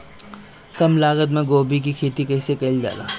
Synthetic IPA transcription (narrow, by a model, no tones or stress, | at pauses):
kɐmlaːɡəd̪mẽɡoːbik̬ikʰeːt̪ikɐɪsekɐld͡ʒa̰ːla̰ː